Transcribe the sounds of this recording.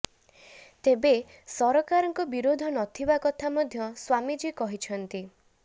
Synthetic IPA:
t̪ebe | sɔɾɔkaɾɔŋkɔbiɾod̪ʱɔnɔt̪ʰibakɔt̪ʰamɔd̪ʱjɔswamid͡ʒekɔɦit͡ʃʰɔnt̪i

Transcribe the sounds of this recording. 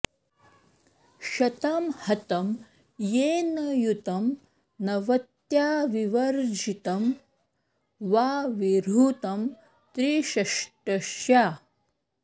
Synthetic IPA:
ʃɐt̪ɐmhɐt̪ɐm | jeːnɐjut̪ɐm | nɐʋɐt̪jaːʋiʋɐɾd͡ʒit̪ɐm | ʋaːʋiɾuːt̪ɐm | t̪ɾiʃɐʂʈɐʃjaː

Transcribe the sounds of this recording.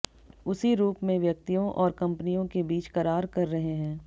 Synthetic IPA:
ʊsiɾuːpmẽʋjɐk̚t̪ijõʔɔːɾkɐ̃mpnijõkebiːt͡ʃkɐɾaːɾkɐɾːɐɦeɦɛ̃ː

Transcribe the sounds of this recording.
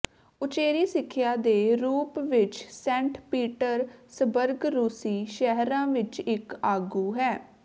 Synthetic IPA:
ʊt͡ʃeːɾiːsɪkʰːjaːd̪eːɾuːpʋɪt͡ʃsɛ̃ːɳʈpiːʈəɾsəbəɾɡɾuːsiːʃɛɦɾãːʋɪt͡ʃɪkaːɡuːɦɛː

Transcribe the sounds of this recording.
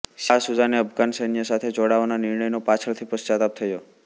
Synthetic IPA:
ʃasud͡ʒaneəbʱɡansəjnijəsat̪ʰed͡ʒoɽaʋananɪɾɳəjnopat͡ʃʰəɭt̪ʰipəst͡ʃat̪ap̚t̪ʰəjo

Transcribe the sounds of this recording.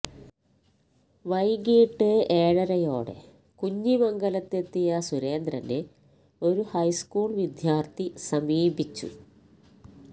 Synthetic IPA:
ʋɐjɡiːʈːɨeːɻɐɾɐjo̞̰ːɽḛ | kuɲːimɐŋɡɐlɐt̪ːe̞t̪ːijɐsuɾe̞ːnd̪rɐne | o̞ɾuhɐjskuːɭʋid̪ʱjaːrt̪ʰisɐmiːbit͡ɕːṵ

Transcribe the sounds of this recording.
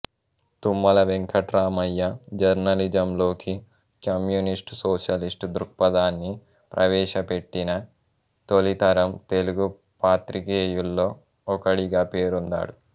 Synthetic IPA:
t̪umːɐlɐʋeŋkʰɐʈɾaːmɐjːɐd͡ʒɐɾnɐlid͡ʒɐmlo̞ːki | kɐmjunisʈsoːʃɐlisʈd̪ɾuk̚pɐd̪aːnːi | pɾʔɐʋɛːʃɐpe̞ʈːinɐ | t̪olit̪ɐɾɐmt̪e̞luɡu | paːt̪ɾikeːjulːo̞ː | kɐɽiɡaːpe̞ːɾund̪a̰ːɽu

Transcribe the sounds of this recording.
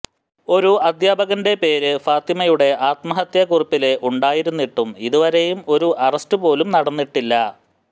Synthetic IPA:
o̞ɾuɐd̪jaːbɐɣɐnde̞pe̞ːɾɨfaːt̪imɐjuɽe̞ʔaːt̪mɐɦɐt̪jɐkuripːile̞ʔuɳɖaːjiɾunːiʈːumiðuʋɐɾejumo̞ɾuʔɐrɐstɨpo̞ːlumnɐɽɐnːiʈːilːɐ

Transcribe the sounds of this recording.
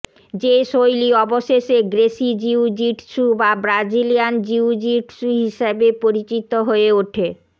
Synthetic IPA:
d͡ʑeʃojliɔboʃeʃeɡɾeʃid͡ʑiud͡ʑiʈʃubabɾad͡ʑilijand͡ʑiud͡ʑiʈʃuɦiʃabepoɾit͡ɕit̪ːoɦoeuʈʰe

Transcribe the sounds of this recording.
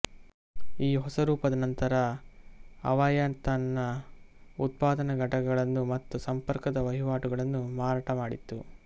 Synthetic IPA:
iːɦɔsɐɾuːpɐd̪ɐnɐnt̪ɐɾɐ | ɐ̰ʋajant̪ɐnːɐ | ut̪̚paːd̪ɐnɐɡʱɐʈɐɡɐɡɐɭɐnːumɐt̪ːusɐmpɐɾkɐd̪ɐʋɐɦiʋaːʈuɡɐɭɐnːumaːɾaːʈɐmaːɽit̪ːu

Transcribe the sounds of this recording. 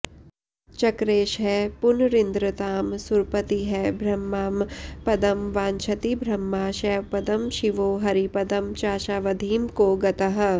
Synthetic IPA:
t͡ʃɐkɾeːʃɦɛpʊnɾɪnd̪ɾət̪aːmsʊɾpət̪iɦɛbʱɾɐmːaːmpɐd̪ɐmʋãːnt͡ʃʰɐt̪ibʱɾɐmːaːʃɛʋpɐd̪əmʃiʋoːɦɐɾipɐd̪ɐmt͡ʃaːʃaːʋɐd̪ʱiːmkoɡɐt̪ɐɦ̆

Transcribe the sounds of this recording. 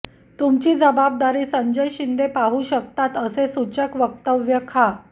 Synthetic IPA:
t̪umt͡ɕiːd͡zəbab̚d̪aɾiːsəɲd͡ʑəjɕind̪epaɦuːɕək̚t̪at̪əsesut͡ɕəkʋək̚t̪əʋjəkʰa

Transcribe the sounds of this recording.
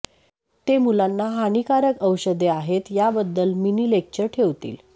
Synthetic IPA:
t̪emulanːaɦañikaɾəkəwɕəd̪eaɦet̪jabəd̪ːəlminilek̚t͡ɕəɾʈʰeʋt̪ḭːl

